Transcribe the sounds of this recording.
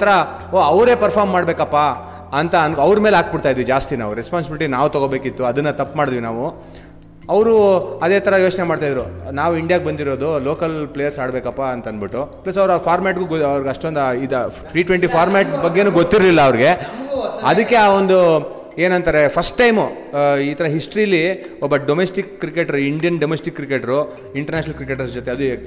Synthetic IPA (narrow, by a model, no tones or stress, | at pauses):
t̪ɐɾɐ | oːɐʋɾe̞ːpɐɾpʰaːɾmːaːɽbe̞ːkɐpːa | ɐnt̪ɐɐnɐʋɾmeːlaːk̚biɽt̪aːjid̪ʋid͡ʒaːst̪ina̰ːʋuɾespaːns̬ibiliʈinaːʋut̪ɐɡobe̞ːkit̪ːuɐd̪ɐnːɐt̪ɐpːmaːɽd̪ʋinaːʋu | ɐʋɾuɐd̪eːt̪ʰɐɾɐjo̞ːt͡ʃnemaːɖt̪ajd̪ɾunaːʋuiɳɖijaːɡ̚bɐnd̪iɾo̞ːd̪ulo̞ːkɐlplejɐɾsaːɽbeːkɐpːaɐnt̪ɐnbiʈːuplɐsɐʋɐɾuapʰaːɾmaːʈɡuɡɐʋɐɾiɡɐʂʈond̪aid̪pʰɾiːʈʋeɳʈipʰaːɾmaːʈbɐɡːe̞nuːɡot̪ːiɾlilːɐːʋɾiɡe̞ | ɐd̪ɐkːe̞aːo̞nd̪u | e̞ːnɐnt̪ɐɾe̞pʰɐsʈːɐjmu | iːt̪ʰɐɾɐɦisʈɾijɐlːiɔbːɐɖomesʈikːɾikeːʈɐɾuiɳɖijɐnɖomesʈikːɾikeʈɐɾu | iɳʈɐɾnaːt͡ʃinɐlkɾik̬eʈɐɾsd͡ʒot̪eɐd̪u